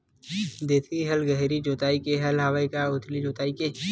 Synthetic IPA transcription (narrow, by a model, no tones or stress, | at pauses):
d̪eːt̪ʰiɦɐlɡəɦɾid͡ʒoːt̪aːikeɦɐlɦaːʋəikaʊt̪ʰlid͡ʒoːt̪aːike